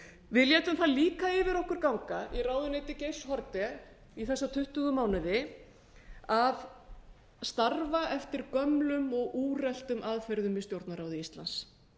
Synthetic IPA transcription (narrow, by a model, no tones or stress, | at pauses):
vɪðljɛːt̪ʏmθaðliːkaɪːvɪɾɔhkʏɾ̥kawŋkairaːwðʏnejt̪ɪcejshɔɾt̪ɛ | iθɛsːat̪ʰʏht̪ʏɣʏmaːwnɪðɪ | av | st̪arvaʔɛft̪ɪɾkœmlʏmɔɣuːrɛl̥t̪ʏmʔaðfɛɾðʏmvɪst̪jowɾt̪naɾaːwðɪist̪la̰ns